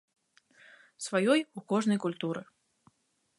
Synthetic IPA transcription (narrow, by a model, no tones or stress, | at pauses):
svajɔjukɔʐnɐjkulʲt̪uɾɨ